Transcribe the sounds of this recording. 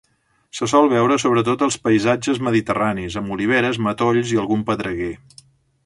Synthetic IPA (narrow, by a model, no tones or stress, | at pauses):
səsɔlˠβɛwɾəsoβ̞ɾət̪̬ot̪əlˠspəizad͡ʒəzməðit̪əranizəmuliβ̞ɛɾəzmət̪oʎziəlˠɣumpəðɾəɣe